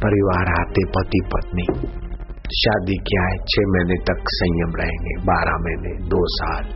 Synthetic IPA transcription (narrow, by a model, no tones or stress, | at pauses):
pɐɾɪʋaːɾaːt̪epɐt̪ipɐt̪ni | ʃaːd̪ikjaɦɛt͡ʃʰeːmɛːnet̪ɐksə̃jjəmɾɐɦẽːŋɡebaːɾamɛːned̪oːsaːl